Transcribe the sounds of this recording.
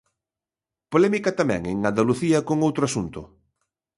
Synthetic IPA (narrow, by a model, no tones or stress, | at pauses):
polɛmikɐt̪amɛ̰̃ŋeŋand̪aluθiɐkoŋowt̪ɾoasunt̪ʊ